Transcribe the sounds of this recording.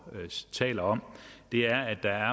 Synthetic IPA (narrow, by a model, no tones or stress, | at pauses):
t͡sʰɛ̰ːlɐɒ̽m̰d̥e̝æɐæ̥ɑ̈æɐ